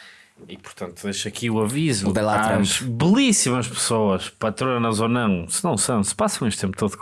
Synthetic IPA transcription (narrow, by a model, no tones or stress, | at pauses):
ipu̥ɾt̪ɐ̃nt̪uðejʃɐkiuɐvizud̪ɛlˠaɐ̃ʃβɨlˠisimɐʃpɨ̥soɐʃpɐt̪ɾonɐzonɐ̃w̃sɨnɐ̃w̃sɐ̃w̃sɨ̥pasɐ̃w̃eʃt̪t̪ẽmput̪oðuk